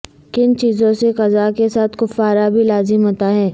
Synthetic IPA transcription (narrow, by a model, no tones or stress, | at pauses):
kɪnt͡ʃiːzõseqɐzaːkesaːt̪ʰkʊfːaːɾabʱilaːzɪmɦoːt̪aɦɛː